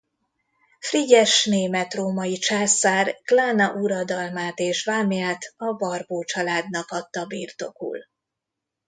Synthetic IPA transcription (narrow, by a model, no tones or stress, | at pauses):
friɟɛʃneːmɛt̪roːmɒjit͡ʃaːsaːrklaːnɒʔuɾɒd̪ɒlmaːt̪eːʃvaːmijaːt̪ɒbɒrboːt͡ʃɒlaːd̪nɒkɒt̪ːɒbiːrt̪o̞kṵl